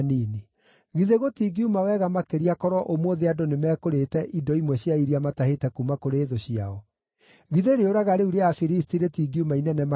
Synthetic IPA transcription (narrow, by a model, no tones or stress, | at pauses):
nini | ɣiðeɣotiɡiumawɛɣamakeɾiakɔɾɔʔomoðeadonemɛːkoɾetɛʔidɔimwɛɕjaiɾiamatahetɛkumakoɾeːðoɕiaɔ | ɣiðeɾeoɾaɣaɾeuɾeafiɾistiɾetiɡiumainɛnɛma